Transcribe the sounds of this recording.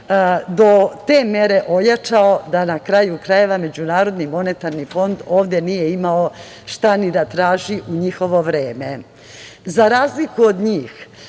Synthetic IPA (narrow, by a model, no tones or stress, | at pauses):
d̪o̞t̪e̞me̞ɾe̞ʔo̞jat͡ʃao̞d̪anakɾajukɾaje̞ʋame̞d͡ʑunaːɾo̞d̪nimo̞ne̞t̪aɾnifo̞nd̪oːʋd̪je̞nijeimao | ʃt̪anid̪at̪ɾaːʒiʔuɲixo̞ʋo̞ʋɾeːme̞ | zaɾaːzlikuo̞d̪ɲiːx